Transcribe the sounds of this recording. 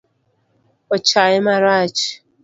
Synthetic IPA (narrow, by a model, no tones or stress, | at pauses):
ɔt͡ʃaɪmaɾat͡ʃɪ̥